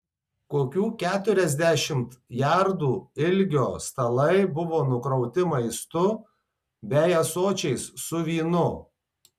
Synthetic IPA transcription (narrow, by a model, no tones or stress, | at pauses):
koːkʲuːkʲæːt̪ʊɾʲɛzʲd̪ʲæʃʲɪmt̪jæɾd̪uːɪlʲɡʲoːst̪ɐlˠɐɪbʊʋoːnʊkɾɔʊt̪ʲɪmɐɪst̪ʊ | bʲɛjɛsoːt͡ʃʲɛɪsːʊʋʲiːnʊ